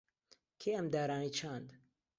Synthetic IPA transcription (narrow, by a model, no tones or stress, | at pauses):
kʰeːɐmd̪aːɾaːniːt͡ʃʰand̪